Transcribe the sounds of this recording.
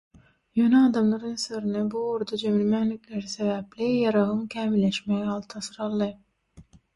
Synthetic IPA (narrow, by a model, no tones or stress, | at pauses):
jønɛɑːd̪ɑmlˠɑɾɯnsøɾynybuuɾd̪ɑd͡ʒemilmænlikʲleɾisevæplijɑɾɑʁɯŋkʲʰæːmilːeʃmeɡɑlˠt̪ʰɑsɯɾɑlˠːɯ